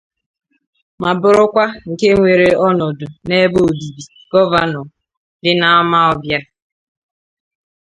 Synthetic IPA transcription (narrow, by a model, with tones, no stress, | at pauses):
ma˨bʊ˨ɾʊ˦kʷa˦ŋ̩˨ke˦ŋʷe˨ɾe˨ɔ˦nɔ˨dʊ˨ne˦bo˦˨bi˨bi˨ | ɡɔ˦va˦nɔ˨ | dɪ˦na˦a˦ma˦ɔ˨bja˦